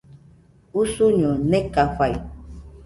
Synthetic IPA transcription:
usuɲunekaɸaj

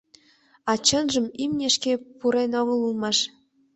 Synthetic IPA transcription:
ɑt͡ɕənʒə̆mimnʲeʃkepuɾenoɣəlulmɑʃ

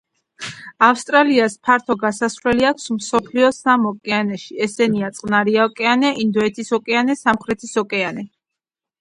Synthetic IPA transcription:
afst̪ʼɾaliaspʰaɾt̪ʰɔɡasasvɾlɛliakʷʰsmsɔpʰliɔsamɔkʼɛanɛʃiɛsɛniat̪sʼqʼnaɾiaɔkʼɛanɛʔind̪ɔɛt̪ʰisɔkʼɛanɛsamχɾɛt̪ʰisɔkʼɛanɛ

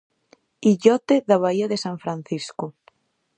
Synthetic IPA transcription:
iʎɔt̪eðɐβ̞aiɐðesaɱfɾanθiskʊ

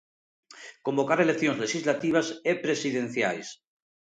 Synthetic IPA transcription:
ko̞mbo̞kaɾelek̚θjoŋzleʃizlat̪iβ̞asepɾesiðẽn̟θja̰js

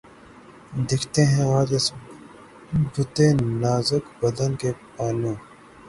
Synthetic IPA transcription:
d̪ɪkʰt̪eɦɛ̃aːd͡ʒɪs | bʊt̪enaːzʊkbɐd̪ɐnkepaːnũː

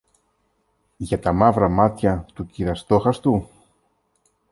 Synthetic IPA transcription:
ʝɐt̪ɐmɐvɾɐmɐt̪çɐt̪uciɾɐst̪oxɐst̪u

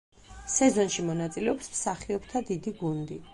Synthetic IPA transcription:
sɛzɔnʃimɔnat̪sʼilɛɔpsmsaχiɔbt̪ʰad̪id̪iɡund̪i

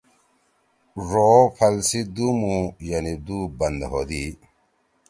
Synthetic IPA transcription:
ɾoːpʰɐlsid̪umujanid̪ubɐnd̪ɦod̪i

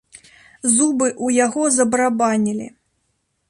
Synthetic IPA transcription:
zubɨʔujaɣɔzɐbɾabanʲilʲḭ

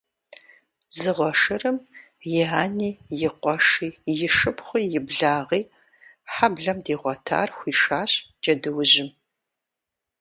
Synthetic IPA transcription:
zɨʁʷɔʂɨrɨm | jɪaːniːjɪqʷɔʂiːjɪʃɨpχʷʊjɪbɮaːʁiː | ħabɮɐmdiːʁʷɔtʰa̰ːrxʷiːʂaːɕd͡ʒɐdɨwʊʑɪm

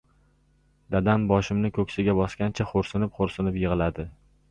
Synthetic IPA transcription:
d̪̥ad̪ambɒʃɪmnɪkʲʰɵkʲsɪɡʲabɒskʲant͡ʃʰaχoɾsɪnɪpχoɾsɪnɪpjɨʁɨlad̪ɪ

